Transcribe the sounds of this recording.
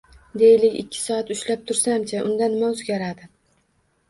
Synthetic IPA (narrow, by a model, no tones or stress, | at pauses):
d̪e̞jɪlɪkʲɪ̰kʲʰːɪ̥sɒːat̪ʊʃlap̚t̪ʰʊɾsamt͡ʃʰaʔʊnd̪anɪmaɵzɡʲaɾad̪ɪ